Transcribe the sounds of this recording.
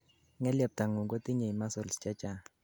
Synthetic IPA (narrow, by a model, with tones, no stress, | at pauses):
ŋɛ˦ljɛ˨p̚ta˨ŋu˨ɡo˦tʼi˦ɲe˨i˨ma˦sɔ˨lst͡ʃɛ˦t͡ʃa˨